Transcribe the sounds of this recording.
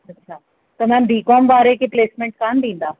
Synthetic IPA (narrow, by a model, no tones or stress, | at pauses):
ɐtːɕʰaː | t̪ɐm̤ãːnbʱiːkɔːmʋaːɾekepleːsmẽɳʈ̚kaːnd̪ĩːn̆d̪aː